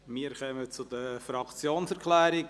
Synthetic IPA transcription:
miəɾχœmət͡sʊd̥̪əfɾɑkt͡sjoːnsɛɾkʰlæːɾɪ

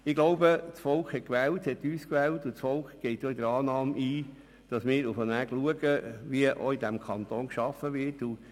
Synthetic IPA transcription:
ɪɡ̥loʊbət͡sfɔlkχhɛtkʋɛːlthɛtyːskʋɛːltʊt͡sfɔlkχɡ̥ɛɪtjɔidəɾɑːnɑːmʔiː | d̥ɑsmɪːɾufənæɡluəɡəʋiəʔo̰idæmkʰɑnt̪oːnkʃɑfəʋɪɾtu

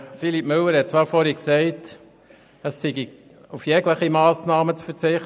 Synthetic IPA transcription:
filip̚mʏlːəɾhɛt̚t͡sʋɑːɾfɔɾhɛksɛɪt | əsːɪɡi | ufjɛːɡləχimɑːsnɑːmət͡sfəɾt͡sɪχt

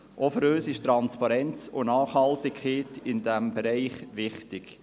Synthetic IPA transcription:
ʔɔfəɾøːsɪʃt̪ɾɑnspɑɾɛnt͡sʊ̰nɑːχhɑltɪkχeːtɪndæmbɛɾɛɪχʋɪχtɪk

